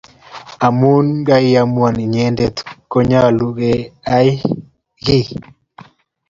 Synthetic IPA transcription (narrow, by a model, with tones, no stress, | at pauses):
a˨mu˦nɡa˦i˦ja˨mwa˨ni˨ɲɛ˦nde˨tkɔ˦ɲa˦a˨lu˨ɡe˨a˦j | ɡi˦